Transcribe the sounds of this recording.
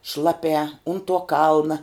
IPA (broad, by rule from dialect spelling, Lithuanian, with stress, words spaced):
ˈʃlˠɑːˌpʲæː ʊn tuɔ ˈkɐlˠnɐ